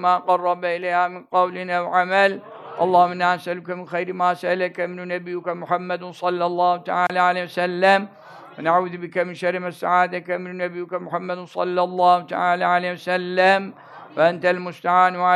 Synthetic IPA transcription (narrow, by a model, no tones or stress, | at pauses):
maːqɑrˤːɑbaʔɪlaːhamɪnqɑwlɪnawʕamal | ʔɑlˤːɑːhmɪnʔansʔalkamɪnxajɾmaːsaʔalakamɪnnabɪjːʊkamʊħamːad̪sˤɑlːɑlˤːɑːht̪a̰ʕaːlaʕaleːwsalːam | wɪnaʕuːðbɪkamɪnʃaɾmasaʕaːd̪akamɪnnabɪjːʊkamʊħamːad̪sˤɑlːɑlˤːɑːhʊt̪a̰ʕaːlaːʕaleːwasalːam | wʔant̪almʊst̪aʕaːnwʕa